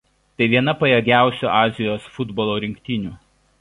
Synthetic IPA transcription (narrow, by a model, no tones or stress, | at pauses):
t̪ɐɪʋʲiɛnɐpɐjɛɡʲæˑʊsʲṵːʔɑːzʲɪjoːsfʊd̪bɔlˠoːɾʲɪŋʲkʲt̪ʲinʲuː